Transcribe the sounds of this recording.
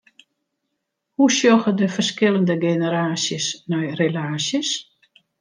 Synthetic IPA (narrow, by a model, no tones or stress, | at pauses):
husjɔxədəfərskɪlˠəndəɡenəɾaːsjəsnɛjrelaːsjəs